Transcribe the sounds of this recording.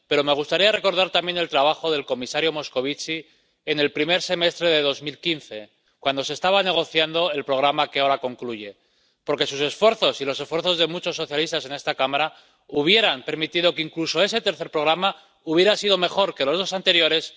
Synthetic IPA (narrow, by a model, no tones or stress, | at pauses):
pe̞ɾo̞me̞ɣ̞ust̪aɾiare̞ko̞ɾð̞aɾt̪ambje̞ne̞lt̪ɾaβaxo̞ðe̞lko̞misaɾjo̞mo̞sko̞β̞it͡ʃi | ene̞lpɾime̞ɾse̞me̞st̪ɾe̞ðe̞ð̞o̞zmilkinθe̞ | kwand̪o̞s̬e̞st̪aβane̞ɣ̞o̞θjand̪o̞e̞lpɾo̞ɣɾamake̞aoɾako̞ŋkluʝe̞ | po̞ɾke̞suse̞sfwe̞ɾθo̞silo̞se̞sfwe̞ɾθo̞zðemut͡ʃo̞sːo̞θjalist̪ase̞ne̞st̪akamaɾa | uβje̞ɾampe̞ɾmit̪iðo̞keiŋkluso̞e̞se̞t̪e̞ɾθe̞ɾpɾo̞ɣ̞ɾama | uβje̞ɾasiðo̞me̞xo̞ɾke̞lo̞zðo̞sant̪e̞ɾjo̞ɾe̞s